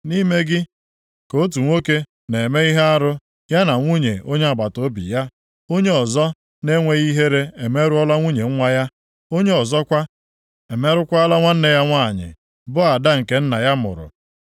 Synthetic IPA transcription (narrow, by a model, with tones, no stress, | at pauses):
ni˦me˦ɡɪ˦ | ko˦t̬u˨ŋʷo˦ke˦ | ne˨me˦i˦ɦe˦a˦ɾʊ˦ | ja˦na˨ŋʷu˦ɲe˨o˦ɲe˦a˨ba˨to˦bḭ˨ja˦ | o˦ɲe˦ɔ˨zɔ˦ | ne˦ŋʷe˦ɣi˦ɦe˦ɾe˦e˨me˦ɾʊ˦ɔ˦la˦ŋʷu˦ɲe˨ŋ̩˦ŋʷa˦ja˦ | o˦ɲe˦ɔ˨zɔ˦kʷa˦ | e˨me˦ɾʊ˦kʷa˦a˦la˦ŋʷa˦n̩˦ne˦ja˦ŋʷa˦˨ɲɪ̰˨ | bʊ˦a˨da˦ŋ̩˨ke˦n̩˦na̰˨ja˦mʊ̰˨ɾʊ̰˨